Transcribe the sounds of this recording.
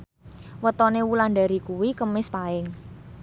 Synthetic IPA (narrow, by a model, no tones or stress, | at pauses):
wət̪ɔnewulanɖa̤ɾikuwikəmɪspaɪŋ